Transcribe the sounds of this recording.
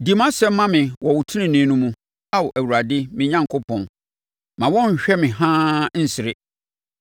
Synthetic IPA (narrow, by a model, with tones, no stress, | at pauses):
di˨mã˦sɛ˦m̩˦mã˦mɪ̃˨wɔ˨wʊ˨tʰi˦nɪ̃˦nĩ˨˦nũ˦mũ˨ | a˦wɔ˨ʔæ˨wu˨ɾa˨dɪ˦mɪ̃˦ɲã˦ŋkʰo˦pʰɔ̃˨n | mã˨wɔ̃˦ɲ̩˨ɕᶣɛ˦mɪ̃˨ɦãː˦n̩˦sɪ˨ɾɪ˦